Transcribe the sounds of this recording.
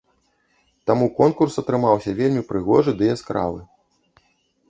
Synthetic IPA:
t̪amukɔnkursɐt̪ɾɨmawsʲɐvʲelʲmʲipɾɨɣɔʐɨd̪ɨjɛskɾa̰vɨ̰

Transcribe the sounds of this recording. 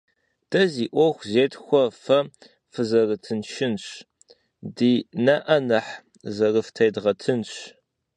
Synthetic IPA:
d̥ɐziːʔʷɔxʷzeːtʰxʷɔfɐ | fɨzɐrɨtʰɨnʃɪnɕ | diːnɐʔɐnɐħ | zɐrɨftʰɐjdʁɐtʰɨnɕ

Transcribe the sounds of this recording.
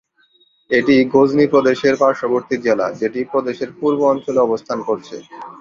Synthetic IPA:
eʈiɡod͡ʑnipɾod̪eʃeɾpaɾʃoboɾt̪iɾd͡ʑela̰d͡ʑeʈipɾod̪eʃeɾpuɾboɔnt͡ɕoleɔbost̪ʰankoɾt͡ɕʰḛ

